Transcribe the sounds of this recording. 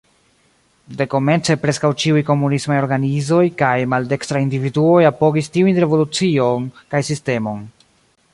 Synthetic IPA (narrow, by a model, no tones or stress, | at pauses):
de̞ko̞me̞nt͡se̞pɾe̞skawt͡ʃiujko̞munismajo̞ɾɡanizo̞jkajmalde̞kstɾaindividuo̞japo̞ɡistiujnɾe̞vo̞lut͡sio̞nkajsiste̞mo̞n